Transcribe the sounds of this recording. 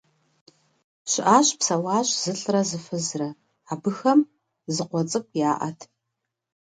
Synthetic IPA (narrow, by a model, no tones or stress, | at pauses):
ɕɪʔaːɕpsɐwaːɕz̥ɨɬʼrɐzɨfɨzrɐ | aːbɨxɐm | zɨqʷɔt͡sʼɨkʷʼjaːʔɐ̰tʰ